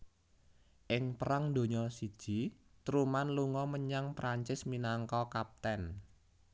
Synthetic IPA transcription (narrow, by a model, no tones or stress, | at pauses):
ʔɪŋpəɾaŋd̪o̤ɲɔsid̥ʒ̥i̤ | t̪ɾumanluŋɔməɲaŋpɾaɲt͡ʃɪsminaŋkɔkap̚t̪ɛn